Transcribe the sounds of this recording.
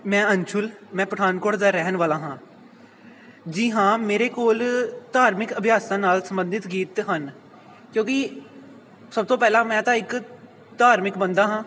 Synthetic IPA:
mɛ̃ːənt͡ʃʰʊlmɛ̃ːpɾəɖaːnkoːɽd̪aːɾɛɦnʋaːlãːɦãː | d͡ʒiɦãːmeːɾekoːld̪aːɾmɪkəbʱjaːsãːnaːlsə̃mbə̃nd̪ɪt̪ɡiːt̪ɦən | kjõːki | səb̚t̪õːpɛːlaːmɛ̃ːt̪ãɪk | d̪̥ʱaːɾmɪkbə̃nd̪aːɦãː

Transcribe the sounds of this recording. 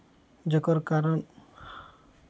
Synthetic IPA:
d͡ʒɔkɔɾkaɾɔn

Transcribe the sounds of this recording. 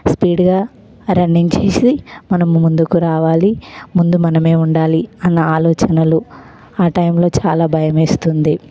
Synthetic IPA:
spiːɖɡaː | ɾɐɳɖiŋt͡ʃe̞ːsimɐnɐmmund̪ukuɾaːʋaːlimund̪umɐnɐme̞ːuɳɖaːliɐnːɐaːlɔːt͡ʃɐnɐlu | aːʈɐjmlo̞ːt͡ʃaːlaːbʱɐjɐmeːst̪und̪i

